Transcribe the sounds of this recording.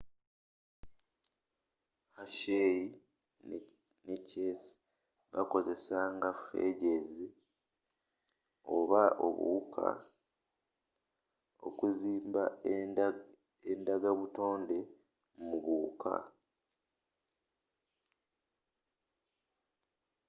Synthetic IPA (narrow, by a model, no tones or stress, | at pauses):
haʃeji | necesi̥ | βako̞ze̞saŋɡafe̞̰ɟe̞zi | o̞βaʔo̞̰βṵkʰa̰ | o̞̰kuziːmba | endaɡaβuto̞ːnde̞ | muβukʰa̰